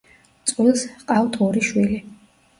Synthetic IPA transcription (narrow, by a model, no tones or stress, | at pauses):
t̪sʼwilˠsqʼawt̪ʰɔɾiʃwili